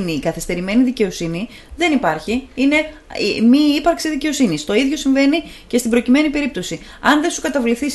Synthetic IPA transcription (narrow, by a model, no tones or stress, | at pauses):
niːkɐθist̪e̞ɾime̞niðice̞o̞sini | ðe̞nipɐɾçiine̞ | miipɐɾksiðice̞o̞sinist̪o̞iðʝo̞siɱve̞nice̞st̪ibɾo̞cime̞nipe̞ɾip̚t̪o̞si | ɐnðe̞sukɐt̪ɐvliθis